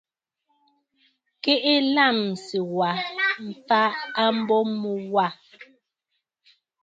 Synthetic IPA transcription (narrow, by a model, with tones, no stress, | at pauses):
ke˦ʔe˦la˦˨msi˨wa˨m̩˨pa˦a˦m̩˦bɔ˦mu˨wa˦˨